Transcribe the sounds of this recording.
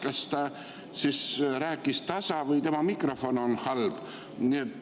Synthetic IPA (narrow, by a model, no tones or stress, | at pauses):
kɑst̪ɑ | sisɾæːkːˑist̪ɑsɑvɯjt̪e̞mɑmikro̞fo̞no̞nhɑlb̥ | niet̪ː